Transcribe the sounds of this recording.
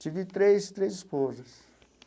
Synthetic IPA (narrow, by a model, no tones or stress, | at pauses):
t͡ʃid̪it̪ɾest̪ɾesispozɐs